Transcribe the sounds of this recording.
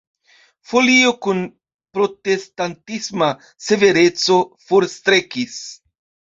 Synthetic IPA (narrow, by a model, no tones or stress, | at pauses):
fo̞lio̞kun | pɾo̞te̞st̪antisma | se̞ve̞ɾe̞t͡so̞foɾst̪ɾe̞kis